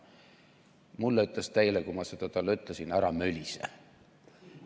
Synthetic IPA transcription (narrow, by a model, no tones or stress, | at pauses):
mulːeyt̪lest̪ejlekumɑse̞d̪ɑt̪ɑlːyt̪ˑlesinæɾɑmølʲisḛ